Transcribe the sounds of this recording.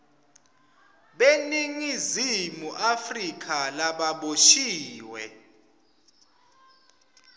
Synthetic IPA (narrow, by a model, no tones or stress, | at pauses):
ɓeniŋizimuʔafrik̬ʰʼalaɓaɓoʃiːwɛ